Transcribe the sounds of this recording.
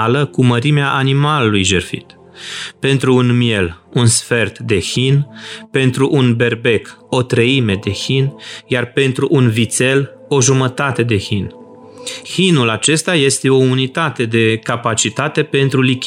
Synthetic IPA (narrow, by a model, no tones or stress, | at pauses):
aləkuməɾimeaʔanimalulujʒerfḭt̪ | pe̞nt̪ɾuːnmie̞lunsfe̞rt̪d̪e̞çinpe̞nt̪ɾuʔunbe̞rbe̞ko̞t̪ɾəime̞d̪e̞çinjarpe̞nt̪ɾuʔunvit̪se̞l | o̞ʒumət̪at̪e̞d̪e̞hin | hinulat͡ʃe̞st̪aje̞st̪e̞o̞unit̪at̪e̞d̪e̞kapat͡ʃit̪at̪e̞pe̞nt̪ɾulikʲ